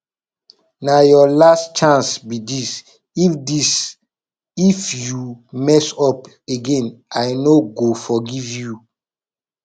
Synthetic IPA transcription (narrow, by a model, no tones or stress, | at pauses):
najɔlastt͡ʃãnsbidis | ifdis | ifjumɛsɔp | eɡẽnajnoɡofɔɡivju